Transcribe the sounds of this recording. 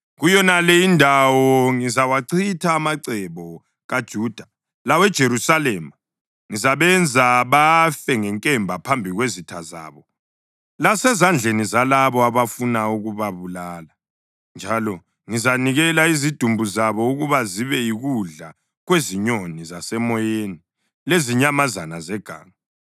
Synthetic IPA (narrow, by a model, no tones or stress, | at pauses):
ɣujɔnalɛindʱawɔŋizawaǀʰitʰaːmaǀɛβɔ | ɣad̥ʒ̥ʱuːd̥ʱa | lawɛd̥ʒ̥ʱeɾusalɛːma | ŋizaβɛnd͡zʱaβafɛŋɛŋkʼɛmbʱapʰambʱiɣwezitʰaza̰ːβɔ | lasɛzand͡ɮʱenizalaβɔaβafunauɣuβaβulaːla | nd͡ʒʱalɔ | ŋizaniɣɛlaizid̥ʱumbʱuzaβɔuɣuβaziβɛiɣuɮa | ɣweziɲonizasɛmɔjeni | leziɲamazanazɛɡ̥ʱa̰ːŋa